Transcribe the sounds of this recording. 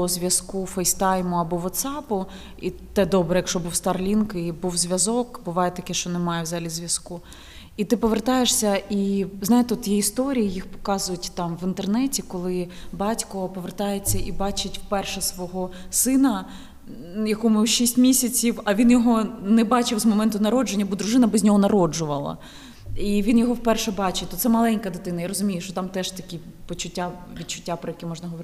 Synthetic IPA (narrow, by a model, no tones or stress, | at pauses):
ɔzʲʋʲjɐskufɛjst̪ɑjmʊɐbɔʋɔt̪sɑpʊ | it̪ɛd̪ɔbɾɛjɐkʃɔbuwst̪ɐrlʲinkɪbuwzʲʋʲɐzɔkbʊʋɑjɛt̪ɐkɛʃt͡ʃɔnɛmɑjɛwzɑɦɐlʲizʲʋʲjɐsku | it̪ɪpɔʋert̪ɑjeʂsʲɐʔiznɑjɪt̪eɔt̪jɛist̪ɔɾʲijijixpɔ̥kɑzʊjʊtʲt̪ɑmʋint̪ernɛtʲikɔlˠɪbɑtʲkɔpɔʋert̪ɑjet͡sʲːɐʔibɑt͡ʃɪtʲwpɛrʃɛsʋɔɦɔsɪnɐ | jɐkɔmɪwʃisʲtʲmʲisʲɐt͡sʲiwɐʋʲinjɔɦɔnɛbɑt͡ʃɪwzmɔmɛnt̪ʊnɐɾɔd͡ʒenʲːɐbɔd̪ɾʊʒɪnɐbɛzʲnʲɔɦɔnɐɾɔd͡ʒʊʋɐ̰lˠɐ̰ | iʋʲinjɔɦɔwpɛrʃɛbɑt͡ʃɪt̪ɔt̪sɛmɐlˠɛnʲkɐd̪ɪt̪ɪnɐjaɾɔzʊmʲijʊʃt͡ʃɔt̪ɑmt̪ɛʃt̪ɐkʲi | pɔt͡ʃʊtʲːaʋʲid̪̚t͡ʃʊ̥tʲːapɾɔjɐkɛmɔʒnɐɦɔʋɔɾɪ